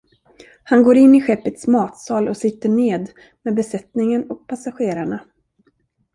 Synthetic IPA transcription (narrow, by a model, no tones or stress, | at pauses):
hanɡoːɾɪnːɪɧɛpːət̪smɑːt̪sɑːlɔsɪt̪ːəɳeːd̪ | mɛːd̪̚bɛsɛt̪nɪŋənɔk̚pʰasaɧeːɾaɳa